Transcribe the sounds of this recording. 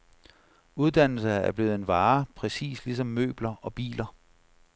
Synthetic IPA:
uð̞ˠd̥æn̰l̩səæɐb̥le̝ːð̩ˠe̝nʋɑ̈ːpʰʁɛsḭːslisɒ̽mːø̰ːb̥lɐɒ̽b̥ḭːlɐ

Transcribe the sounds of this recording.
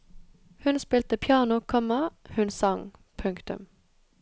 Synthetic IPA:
hʉnspiːlt̪əpʰjɑːnʊkʰɔmɑhʉnsɑŋpʰʉŋkt̪ʉ̰m

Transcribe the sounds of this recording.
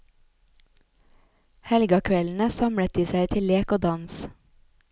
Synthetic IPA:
hɛlɡɑkʰʋɛln̩əsɑmɽət̪̚d̪iːsæɪt̪ʰɪlleːkoːd̪ɑns

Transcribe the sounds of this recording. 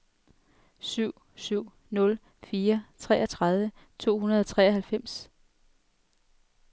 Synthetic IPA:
syʊ̰ | syʊ̰ | nɔ̽l | fiːɐt͡sʰʁɛ̰ːɒt͡sʰʁað̞ˠʋə | t͡sʰo̝̰ːhunɐð̞ˠɒt͡sʰʁɛ̰ːɐɦælfem̰s

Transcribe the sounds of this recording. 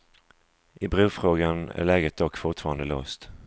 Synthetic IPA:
ʔɪbɾʉːfɾoːɡanæ̰ɾɭɛːɡət̪̚d̪ɔkːfʊʈfɑːɾand̪əlo̰ːst̪

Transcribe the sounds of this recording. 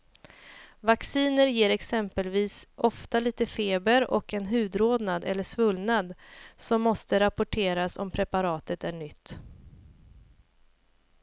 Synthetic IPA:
vaksiːnəɾjeːɾɛksɛmpəlviːsʔɔft̪aliːt̪əfeːbəɾɔ̰kɛnɦʉ̟ːd̪ɾoːd̪nad̪ɛlːəʂvɵlnad̪sɔmːɔst̪əɾapʊʈʰeːɾasɔ̰mpʰɾɛpaɾɑːt̪ət̪æɳʏt̪ː

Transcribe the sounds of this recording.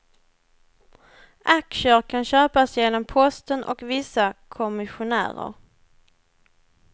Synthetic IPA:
ʔakʂəɾkʰanɕøːpasjeːnɔmpʰɔst̪ənʔɔ̰kvɪsakʰɔmɪɧʊnæ̰ːɾə̰ɾ

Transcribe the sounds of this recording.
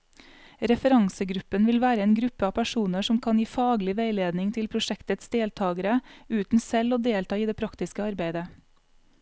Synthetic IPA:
ɾɛfəɾɑŋsəɡɾʉpːənʋɪlʋæːɾəeːnɡɾʉpːəɑːpʰæʃuːnəʂɔmkʰɑnjiːfɑːɡlɪʋeɪleːd̪nɪŋt̪ʰɪlpʰɾʊʃɛkt̪ət̪sd̪eːlt̪ʰɑːɡəɾəʉːt̪n̩sɛloːd̪eːlt̪ɑːiːd̪eːpʰɾɑkt̪ɪskəɑɾbeɪd̪ə

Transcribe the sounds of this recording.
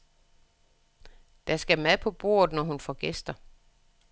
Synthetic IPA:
d̥æsɡ̥æmæðˠpʰɒ̽b̥o̝̰ːɐð̞̩ˠnɒɦunfɒɡ̥esd̥ɐ

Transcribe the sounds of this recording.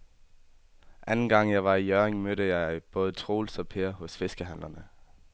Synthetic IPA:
ʔænn̩ɡ̥ɑ̈ŋ̰jɑ̈ɪʋɑ̈ijœeŋmøɾəjɑ̈ɪb̥ɔ̽ːð̞ˠt͡sʰʁo̝̰ːlsɒ̽pʰeːɐɦɔ̽sfe̝sɡ̥əɦæn̰lɐnə

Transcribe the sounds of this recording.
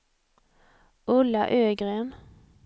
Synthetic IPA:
ʔʊlɑ̰ʔøːɡʁeːm

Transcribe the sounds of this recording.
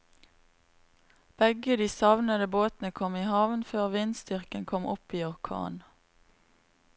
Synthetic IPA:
b̥ɛɡəd̪iːsɑʋnəd̪əboːt̪nəkʰɔmiːhɑʋnføːʁʋiːnst̪ʏʁkənkʰɔmʔɔ̰piːɔʁkʰɑ̰ːn

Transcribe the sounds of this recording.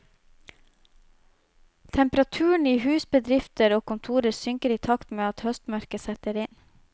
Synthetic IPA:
t̪ʰɛmpɾɑt̪ʰʉːəɳ̩iːhʉːsbəd̪ɾɪft̪əɾoːkʊnt̪ʰuːɾəɾsʏŋkəɾiːt̪ʰɑkt̪meːɑt̪hœst̪mœɾkəsɛt̪əɾɪn

